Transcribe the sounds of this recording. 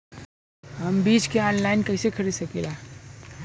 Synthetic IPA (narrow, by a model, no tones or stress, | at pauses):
ɦɐmbiːd͡ʒkeɔ̃ːnlaːɪnkɐɪsekʰɐɾiːd̪sɐkelaː